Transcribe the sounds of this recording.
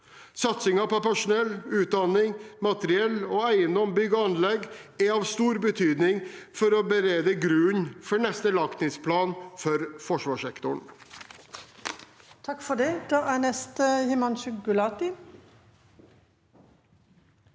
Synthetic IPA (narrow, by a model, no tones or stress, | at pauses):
sɑt̪sɪŋɑpɔpæʂʊnɛlːʉːt̪̚d̪ɑnɪŋmɑt̪əɾɪɛlɔːæɪənd̪ɔmbʏɡɔɑnlɛɡæɾɑːʋst̪uːɾbət̪ʰyːd̪nɪŋfɔɾɔbəɾeːd̪əɡɾʉːnfɔɳɛst̪əlɑkt̪ɪŋspʰlɑːnfɔɾfɔʂʋɑːʂɛkt̪ʊɳ | t̪ʰɑkfɔɖɛd̪̥ɑːʔænɛst̪əhɪmɑnʃʉɡʉlɑːt̪ɪ